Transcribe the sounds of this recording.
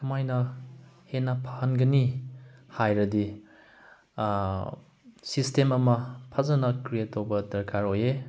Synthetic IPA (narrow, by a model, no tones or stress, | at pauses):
kʰɐmajnɐhenɐpʰahɐnɡɐnihajɾɐdi | sistemɐmɐpʰɐzɐnɐkɾijetːowbɐdɐɾkʰaɾoje